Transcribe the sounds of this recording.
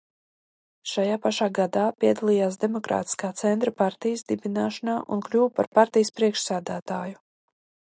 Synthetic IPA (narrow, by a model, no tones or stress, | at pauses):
ʃajaːpaʃaːɡad̪aːpʲiɛd̪alˠijaːs̬d̪emɔkɾa̰ːt̪i̥skaːt̪sɛnt̪ɾapaɾt̪ijəsd̪ibinaːʃanaːʔunklʲuːwpaɾpaɾt̪ijəspɾiɛkʃsæːd̪æːt̪aːju